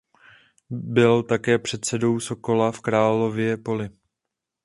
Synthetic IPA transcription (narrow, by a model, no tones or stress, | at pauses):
bɪlt̪akɛːpr̥ɛt̪sɛdo̞wso̞ko̞lafkɾaːlo̞vjɛpo̞lɪ